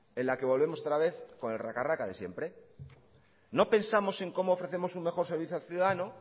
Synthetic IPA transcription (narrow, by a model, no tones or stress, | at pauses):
e̞nlake̞β̞o̞lβe̞moot̪ɾaβ̞e̞θko̞ne̞lrakarakaðe̞sje̞̰mpɾe̞ | no̞pe̞nsamo̞se̞ŋko̞moːfɾe̞θe̞mo̞suŋme̞xoɾse̞ɾβ̞iθjalθjuðaðano